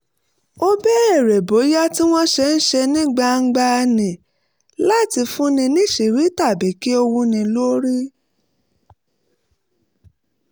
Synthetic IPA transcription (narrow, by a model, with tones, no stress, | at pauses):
o˦bɛ˦ɛ˦˨ɾɛ˨bo˨˦ja˦ti˦w̃ɔ̃˦ʃɛ˧n̩˦ʃɛ˧nĩ˦ɡ͡ba˧ŋ̩˦ɡ͡ba˧nĩ˨ | la˦˨ti˧fũ˦nĩ˧nĩ˦ʃe˨ɾi˨˦ta˦˨bɛ˨˦ki˦o˧wũ˧nĩ˧lo˦ɾi˦